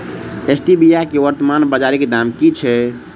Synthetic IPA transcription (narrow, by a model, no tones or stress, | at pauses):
esʈibijakeʋəɾt̪əmanbəd͡ʒaɾikd̪amkit͡ʃʰɛ